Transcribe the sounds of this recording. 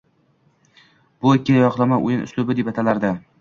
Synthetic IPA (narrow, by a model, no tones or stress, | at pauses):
b̥ʊɪkʲʰːɪjɒqlˠamaʔʊ̰jɪnʊ̰slʊbɪd̪e̞pat̪ʰalaɾd̪ɪ